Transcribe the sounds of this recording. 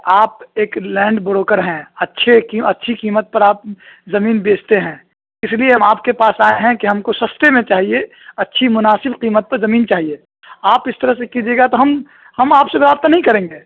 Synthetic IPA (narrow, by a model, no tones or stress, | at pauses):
aːpeːklɛ̃ːɳɖbʊɾoːkəɾɦɛ̃ɐtːʃʰekiɐtːʃʰiqiːmət̪̚pɐɾaːp̚zɐmiːnbeːt͡ʃt̪eɦɛ̃ː | ɪslieɦɐmaːpkepaːsaːeɦɛ̃kiɦɐmkosɐst̪emẽt͡ʃaːɦie | ɐtːʃʰimʊnaːsɪbqiːmət̪̚pɐɾzɐmiːnt͡ʃaːɦieː | aːpɪst̪əɾəsekid͡ʒeːɡat̪oɦɐm | hɐmaːpsebɾaːbt̪anɐɦĩkɐɾẽːŋɡeː